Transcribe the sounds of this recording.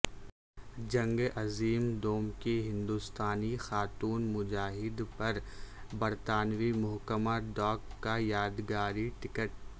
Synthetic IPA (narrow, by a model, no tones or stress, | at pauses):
d͡ʒɐ̃ŋɡɐziːmd̪oːmkeɦɪ̃nd̪uːst̪aːnixaːt̪uːnmʊd͡ʒaːɦɪd̪pɐɾbɐɾt̪aːnwimʊɦkəmaɖɔːkːajaːd̪ɡaːɾiʈɪkəʈ̚